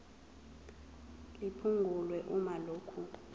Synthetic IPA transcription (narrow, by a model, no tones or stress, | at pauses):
ipʰuŋɡʱulwɛʔumaloːkʰu